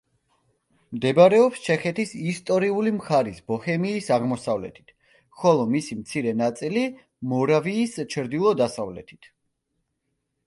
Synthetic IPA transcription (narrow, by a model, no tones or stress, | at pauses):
md̪ɛbɾɛɔpst͡ʃʰɛχɛt̪ʰisist̪ʼɔɾiulimχaɾisbɔhɛmiːsaʁmɔsavlɛ̰t̪ʰi̥t̪ʰ | χɔlˠɔmisimt̪sʰiɾɛnat̪sʼili | mɔɾaviːst͡ʃʰɾd̪ilˠɔd̪asavlɛ̰t̪ʰi̥t̪ʰ